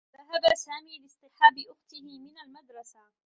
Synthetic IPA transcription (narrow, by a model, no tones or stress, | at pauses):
ðaɦabasaːmiːlɪsˤt̪ɪħaːbɪʔʊxt̪ɪhɪmɪnalmad̪ɾˤɑsa